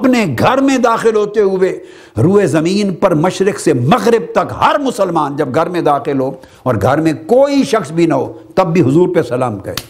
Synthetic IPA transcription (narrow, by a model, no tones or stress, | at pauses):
ɐpneɡʱɐɾmẽd̪aːxɪlɦoːt̪eɦʊe | ɾuːezɐmiːnpɐɾmɐʃɾɪksemɐɣɾɪb̚t̪ɐkhɐɾmʊsəlmaːnd͡ʒɐb̚ɡʱɐɾmẽd̪aːxɪlɦoː | ɔːɾɡʱɐɾmẽkoːiʃɐxsbʱinɐɦo̰ːt̪ɐbːiɦʊzuːɾpesɐlaːmkɐ̰ɾḛː